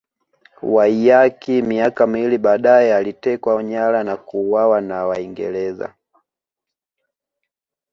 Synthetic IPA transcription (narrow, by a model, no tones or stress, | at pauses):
waijakimiakamiiliɓaːɗaɛalitɛkwaɔɲalanakuwawanawaiŋɡɛ̰lɛza̰